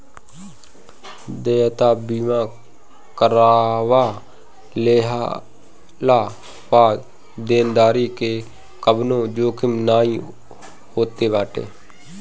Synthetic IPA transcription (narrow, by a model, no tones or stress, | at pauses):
d̪eːt̪aːbiːʋãː | kəɾaːʋaː | leːɦa | laː | ʋaː | d̪eːnd̪aːɾiːkeː | kəbnõːd͡ʒoːkɪmnaːĩː | hoːt̪eːʋaːʈḛː